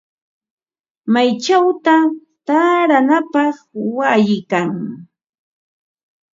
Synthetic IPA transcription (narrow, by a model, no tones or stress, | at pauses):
majt͡ʃawt̪a | t̪aɾanapɑχwajɪkaŋ